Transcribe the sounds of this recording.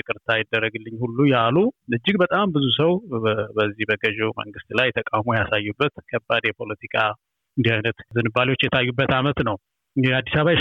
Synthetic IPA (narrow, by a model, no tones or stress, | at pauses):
ɨkʼɨɾt̪ʰajɪd̪ːərːəɡɨlːɨɲːhulːujaluɨd͡ʒːɪɡbət̪ʼambɨzusəwbəzːihbəɡəʒɛmə̰ŋɡɨst̪lajt̪ʰəkʼawmujasajːubːət̪kʰəbːad̪jɛpʰo̞lət̪ʰikʰʼa | ɨnd̪ihajnət̪zɨnːɨbːaliwot͡ʃːjɛt̪ʰajːubːət̪amət̪nəw | ɨniad̪ːisaβaj